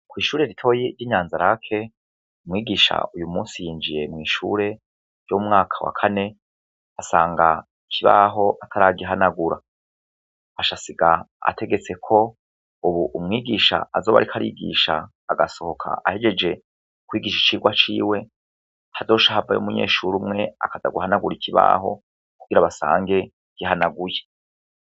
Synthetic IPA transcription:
kwiːʃuːɾe̞ɾitʰo̞ːjiɾiːɲaːnzaɾakʰe̞ | umŋiːɡiʃa̰ujumuːnsijiːnd͡ʒije̞mŋiːʃṵːɾe̞ | jomŋaːkʰawa̰kʰane̞ | asaːŋɡa | kʰiβa̰ɦo̞ʔatʰaɾaːɡiaɦanaɡuɾa | aʃasiɡa | a̰tʰe̞ɡe̞t͡se̞kʰo̞ | uβuʔumŋiːɡiːʃa̰azo̞ːβa̰ɾikʰaɾḭːɡḭːʃa̰ː | ɡaso̞ho̞kʰa̰ʔa̰he̞d͡ʒe̞d͡ʒe̞ | kwiːɡiʃi̥t͡ʃiːɡwat͡ʃiːwe̞ | hado̞ːʃaɦava̰jo̰muɲe̞̰ːʃuɾumŋe̞a̰kada̰ɡuhanaɡuɾicʰiβa̰ːɦo̞̰ | kuɡ̥iɾaβasa̰ːŋɡe̞ | ɡ̥ihanaɡuje

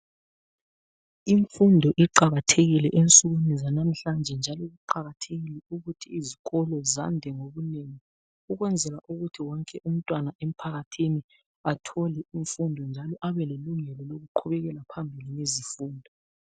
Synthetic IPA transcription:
iɱfundʱɔʔiǃaɣatʰeɣilɛʔent͡sʼuɣunizanam̩ɬand͡ʒʱɛnd͡ʒʱalɔɣuǃaɣatʰeɣilɛuɣutʰiːziɣɔlɔza̰ndʱɛŋoβuneŋi | uɣwɛnd͡zʱɛlaʔuɣutʰiwɔŋkʼɛʔum̩tʼwanaʔem̩pʰaɣatʰini | atʰɔlɛiɱfundʱɔnd͡ʒʱalɔʔaβɛleluŋɛlɔloɣuǃʰuβɛɣɛlapʰambʱilinezifuːndʱɔ

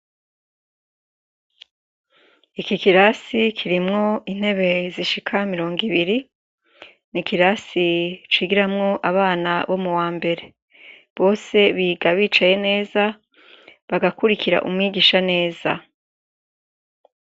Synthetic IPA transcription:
ikikiɾasikʰiɾimŋo̞in̥he̞βe̞ziʃikʰamiɾo̞ːŋɡiβiɾi | nikiɾasit͡ʃiːɡiɾamŋo̞ʔaβaːnaβo̞muwaːmbe̞ɾe̞ | βo̞ːse̞βiːɡaβiːt͡ʃaje̞ne̞ːza | βaɡakuɾikʰiɾa̰ʔumŋiːɡiːʃane̞ːza̰

